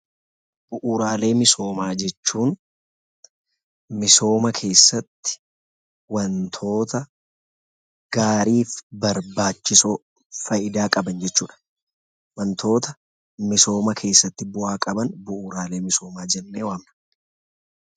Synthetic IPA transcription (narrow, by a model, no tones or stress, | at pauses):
b̥ʊʔuːɾaːle̞ːmɪso̞ːmaːd͡ʒɛt͡ʃːuːn | mɪso̞ːmɐkʰe̞ːsːɐt̪ːɪ̥ | wɐnt̪ʰo̞ːt̪ɐ | ɡ̥aːɾiːfbɐɾbaːt͡ʃːɪsoː | fɐjɪd̪aːkʼɐbɐnd͡ʒɛt͡ʃːuːᶑɐ̥ | wɐnt̪ʰo̞ːt̪ɐ | mɪso̞ːmɐkʰe̞ːsːɐt̪ːɪbʊʔaːkʼɐbɐnbʊʔuːɾaːle̞ːmɪso̞ːmaːd͡ʒɛnːeːwaːmnɐ̥